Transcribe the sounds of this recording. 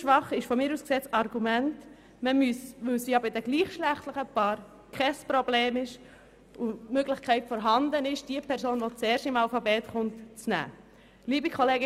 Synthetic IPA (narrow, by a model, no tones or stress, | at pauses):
ʃʋɑχɪʃfɔmɪːɾusksɛt͡sɑɾɡumɛnt | məmysʋɵwsiːɑbədɛɡliːχʃlæχtləχəpɑːɾ | kʰχɛspɾobleːmɪʃ | umøɡlɪχkʰɛɪtfɔɾɦɑnd̪ənɪʃd̥iːəpʰɛɾsoːnʋot͡sɛːɾʃɪmɑlfɑbɛːtχʊntt͡snæ̰ː | liːbikʰoleːɡ